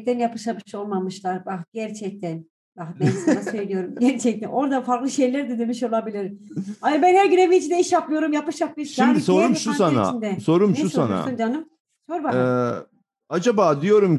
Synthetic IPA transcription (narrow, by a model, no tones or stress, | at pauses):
t̪ænjapʰɯʃamɯʃo̞lˠmamɯʃlˠaɾbaxɟ̥æɾt͡ʃʰɛc̚t̪ʰæn | baxbɛnsnasø̞jlʲijo̞ɾumɟæɾt͡ʃʰɛc̚t̪ʰæno̞ɾd̪afaɾklˠɯʃejlʲæɾd̪ɛd̪emiʃo̞lˠabilʲiɾaɯbænhæɾɟynevit͡ʃʰind̪ɛiʃapmˠɯjo̞ɾumjapɯʃapmˠɯʃʃjimd̪isoɾumʃusana̰t͡ʃind̪ɛso̞ɾumnʃɛusoa̰na̰sund͡ʒanɯm | so̞ɾbaɛ | ad͡ʒabaːd̪ijo̞ɾum